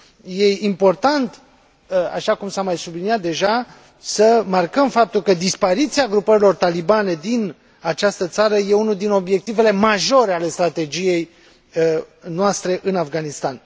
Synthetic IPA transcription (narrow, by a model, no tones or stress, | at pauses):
je̞impo̞rt̪ant̪ | a̰ʃakumsamajsubliniat̪̚d̪e̞ʒa | səmarkəmfap̚t̪ulkəd̪ispaɾit̪siaɡɾupəɾilo̞rt̪alibane̞d̪in | at͡ʃast̪ət̪saɾəje̞unud̪ino̞bje̞k̚t̪ive̞le̞maʒo̞ɾeale̞st̪ɾat̪e̞d͡ʒije̞j | noast̪ɾe̞ʔɨnafɡanist̪an